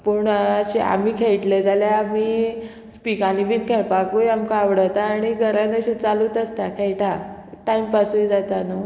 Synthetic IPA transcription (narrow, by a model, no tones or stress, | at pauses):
puɳɕia̰m̤iːkʰeɭʈled͡zaljaami | spikanibiːnkʰeɭpakujamkaːʋɽət̪aːɽ̃iɡʱəɾanəɕit͡saluːt̪əst̪akʰeɭʈʰaʈaimpasujd͡zat̪anu